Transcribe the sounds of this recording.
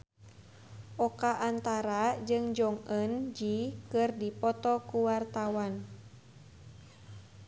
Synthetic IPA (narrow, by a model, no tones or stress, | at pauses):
ʔɔkaʔːnt̪aɾad͡ʒɨŋd͡ʒɔŋənd͡ʒikɨrdipɔt̪ɔkuwart̪awan